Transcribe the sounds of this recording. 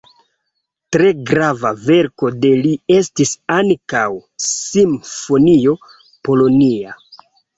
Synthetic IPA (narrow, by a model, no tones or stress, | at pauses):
tɾe̞ɡɾavave̞ɾko̞de̞lie̞stisaŋkawsimfo̞nio̞ | po̞lo̞nia̰